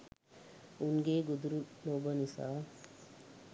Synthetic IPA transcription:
unɡeɡud̪ɾunoːbənisa̰

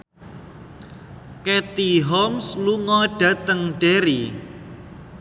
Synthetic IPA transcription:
ket̪iɦɔmsluŋɔɖ̥ä̤t̪əŋɖ̥eɾi

